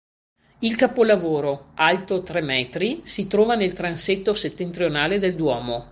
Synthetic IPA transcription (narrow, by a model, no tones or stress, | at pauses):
ilkapolavoːɾoalt̪ot̪ɾɛmɛːt̪ɾisit̪ɾɔːvanelt̪ɾanset̪ːoset̪ːent̪ɾjonaːled̪eld̪wɔːmo